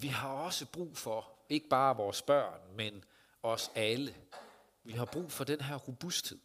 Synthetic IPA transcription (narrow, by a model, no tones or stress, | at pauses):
ʋiɦɑ̈ɒ̽səb̥ʁṵːfɒ̽e̝ɡ̥əb̥ɑ̈ːʋɒːsb̥ɶɐ̰nmen | ɒ̽sælə | ʋiɦɑ̈b̥ʁṵːfɒ̽d̥enɦæɐʁo̝b̥usd̥he̝ð̰ˠ